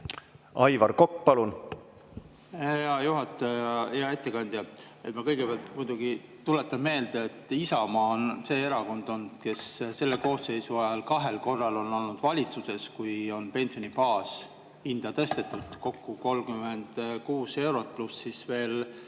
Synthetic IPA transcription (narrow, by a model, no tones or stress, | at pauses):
ɑjvɑɾkokːpɑlun | ɑjuɦɑt̪ːˑɑɑeɑe̞t̪ːe̞kɑnʲd̪̥jɑ | e̞t̪mɑkɤ̞jɡ̥epeɑlt̪mujd̪̥uɡ̥it̪ːule̞t̪ːˑɑmme̞ːld̪̥eet̪ːˑisɑmɑnse̞ːe̞ɾɑko̞nd̪̥o̞nd̪̥ke̞sse̞lːe̞ko̞ːsːe̞jsuɑjɑlkɑɦe̞lko̞rːɑlo̞no̞lnud̪̥vɑlʲit̪suse̞skujo̞npe̞nʲsionipɑːs | ind̪̥ɑt̪ɤ̞st̪e̞t̪ːˑud̪̥ko̞kːuko̞lmkyme̞nd̪̥kuːse̞wɾo̞t̪̚plusːisve̞ːl